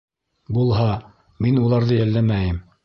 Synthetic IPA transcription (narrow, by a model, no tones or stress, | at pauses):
bulˠɦɑ | minulˠɑɾðɤjælːæmæjɘm